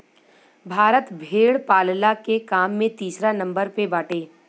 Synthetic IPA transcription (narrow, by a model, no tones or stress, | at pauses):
bʱaːɾət̪bʱeːɽpaːllakekaːmːẽt̪iːsɾanɐ̃mbəɾpebaːʈeː